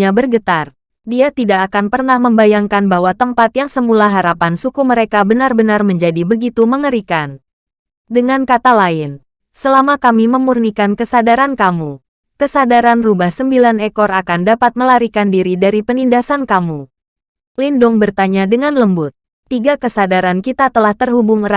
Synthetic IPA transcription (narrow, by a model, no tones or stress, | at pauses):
abərɡət̪ar | diat̪idakːkanpərnahməmbajaŋkanbaɦwat̪əmpat̪jaŋsəmulaɦaɾapansukuməɾekabənarbənarməɲd͡ʒadibəɡit̪uməŋəɾikan | dəŋankat̪alaɪn | səlamakamiməmurnikankəsadaɾankamu | kəsadaɾanrubahsəmbilanekɔɾakandapat̪̚məlaɾikandiɾidaɾipənindasankamu | lindʊŋbərt̪aɲadəŋanləmbʊt̪̚ː | iɡakəsadaɾankit̪at̪əlaht̪ərɦubʊŋr